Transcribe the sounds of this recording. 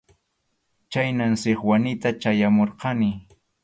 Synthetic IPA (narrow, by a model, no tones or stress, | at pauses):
t͡ʃajnansɪχwanɪt̪at͡ʃajamoɾqɑnɪ